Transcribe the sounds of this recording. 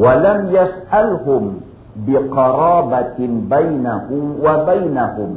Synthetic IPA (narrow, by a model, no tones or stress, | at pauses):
walamjasʔalɦʊm | bɪqɑɾˤɑːbabajnahʊmwabajnahʊm